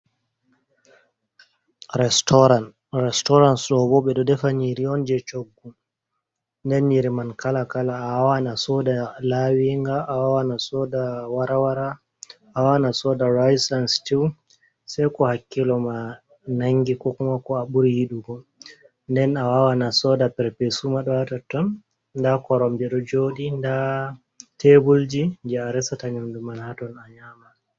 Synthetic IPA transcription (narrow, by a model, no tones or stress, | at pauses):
ɾɛstɔɾan | ɾɛstɔɾansɗɔbɔɓɛɗɔdɛfaniɾiɔnd͡ʒɛt͡ʃoɡːu | ndɛnːiɾimankalakalaːwawanasɔdalawiŋɡaːwawanasɔdawaɾawaɾa | awawanasɔdaɾajsanstiw | sajkɔhakːilɔma | naŋɡikɔkumakɔaɓuɾihiɗuɡɔ | ndɛnawawanasɔdapɛɾpesumaɗɔwatatɔn | ndakɔɾɔmdɛɗɔd͡ʒoːɗinda | tʰebuld͡ʒind͡ʒɛaɾɛsataɲɔndumanhatɔnaɲaːma